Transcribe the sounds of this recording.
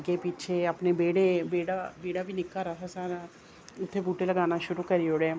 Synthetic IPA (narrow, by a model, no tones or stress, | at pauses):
ɡepiːt͡ʃʰeɐpnebeːɽebeːɽabeːɽabʱinɪkːaɾɐɦasaɾ | ʊt̪ʰːebuːʈelɐɡaːnaʃʊɾukɐɾioːɽe